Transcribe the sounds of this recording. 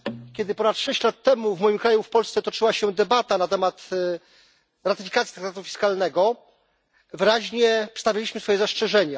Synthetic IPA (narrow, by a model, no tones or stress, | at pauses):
kʲɛd̪ɘpɔnat̪ːʂɛɕt͡ɕlat̪ːɛmuvmɔjimkɾajufpɔlst̪sɛt̪ɔt͡ʂɘwaɕɛd̪ɛbat̪anat̪ɛmat̪ | ɾat̪ɘfʲikat̪sʲit̪ɾakt̪at̪ufʲi̥skalnɛɡɔ | vɘɾaʑɲɛpʂst̪avʲjalʲiɕmɘsfɔjɛzast͡ʂɛʐɛɲa